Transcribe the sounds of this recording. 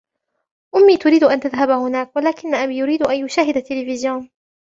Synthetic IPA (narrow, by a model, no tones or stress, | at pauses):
ʔʊmːiːt̪ʊɾiːd̪ʊʔant̪aðɦabhʊnaːkwalaːkɪnːaʔabiːjʊɾiːd̪ʔanjʊʃaːɦɪd̪at̪ːɪlɪfɪzjoːn